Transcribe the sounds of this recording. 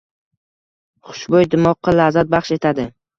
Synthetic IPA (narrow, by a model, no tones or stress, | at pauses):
χʊ̥ʃbojd̪ɪmɒqːɑlazat̪̚bɑχʃe̞t̪ʰad̪ɪ